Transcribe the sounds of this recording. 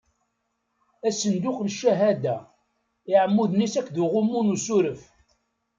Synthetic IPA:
æsənd̪uχlʃːæɦæd̪æ | ɪʕəmːuðnisækːðuʁʊmːunusuɾəf

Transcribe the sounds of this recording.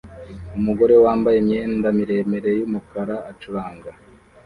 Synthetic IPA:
umuɡo̞ɾe̞waːmbajemɲe̞ːndamiɾe̞me̞ɾe̞jumukaɾaʔat͡ʃuβaːŋɡa

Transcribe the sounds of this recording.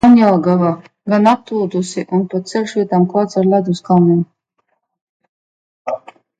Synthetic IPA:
anjalˠɡava | ɡanap̚t̪uld̪usiʔunpat̪t̪sɛlʃviɛt̪amkvˠaːt̪saɾlʲad̪uskamun

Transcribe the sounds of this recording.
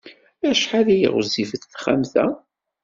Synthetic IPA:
æʃħaðijḭʁʊ̰zifəθθχæ̰mθæ̰

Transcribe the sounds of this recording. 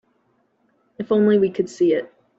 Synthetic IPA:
ɨfõʊ̃nliwikʰɨd̥siɪt̚

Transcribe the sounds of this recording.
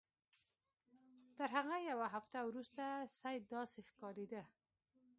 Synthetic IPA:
t̪əɾɦaɣajawaɦaft̪awɾust̪asajd̪ɑsexkɑɾed̪ə

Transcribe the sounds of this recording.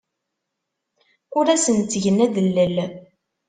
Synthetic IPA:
ʊɾæsənt͡sːʝənæðəlːəl

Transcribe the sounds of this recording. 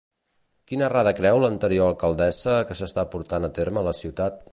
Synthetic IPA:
kinəraðəkɾɛwlənt̪əɾioəlˠkəlˠd̪ɛzəkəsəst̪apuɾt̪anət̪eɾməːləsiwt̪at̪̚

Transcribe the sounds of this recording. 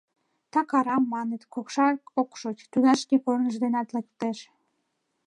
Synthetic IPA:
t̪ɑkɑɾɑmːɑnet̪kokʃɑkokʃot͡ɕt̪ud̪ɑʃkepornəʃd̪enɑt̪lek̚t̪eʃ

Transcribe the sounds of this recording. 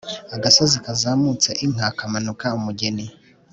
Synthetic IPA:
aɡasozikazaːmut͡seʔim̥ŋakamanukaumuɡe̞ni

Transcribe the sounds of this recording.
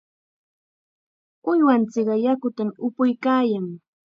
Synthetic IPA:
ʊjwant͡sɪɢɑjakʊt̪amʊpʊjkaːjaŋ

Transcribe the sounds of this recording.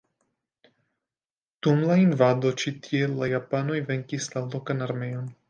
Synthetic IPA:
d̪̥umlainvad̪o̞t͡ʃit̪ielajapano̞jve̞ŋkislalokanaɾmejon

